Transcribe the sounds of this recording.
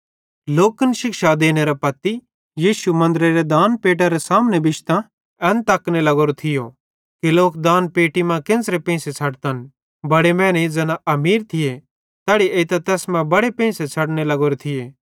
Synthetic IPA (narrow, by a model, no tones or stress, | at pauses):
loːkənʃɪkʃad̪eːneɾapɐt̪i | jiːʃumɐ̃nd̪ɾeɾed̪aːnpeːʈ̬aɾesaːmnebɪʃt̪ã | ɛnt̪ɐknelɐɡoːɾot̪ʰɪjo | kiloːkd̪ãːnpeːʈimãkɪ̃nsɾepẽːset͡sʰɐɽt̪ɐn | bɐɽemɛ̃ːned͡zɛːnaɐmiːɾt̪ʰɪje | t̪ɛːɽieːt̪ɛt̪ɛːsmɛ̃bɐɽepẽːset͡sʰɐɽnelɐɡoːɾot̪ʰɪeː